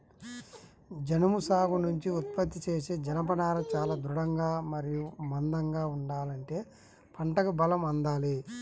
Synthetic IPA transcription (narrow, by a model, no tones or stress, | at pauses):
d͡ʒɐnɐmusaːɡunuɲt͡ʃiut̪̚pɐt̪ːit͡ʃeːseːd͡ʒɐnɐpɐnaːɾɐt͡ʃaːlaːd̪ɾuɽɐŋɡaːmɐɾijumɐnd̪ɐŋɡaːuɳɖaːlɐɳʈe̞ː | pʰɐɳʈɐkubɐlɐmɐnd̪aːli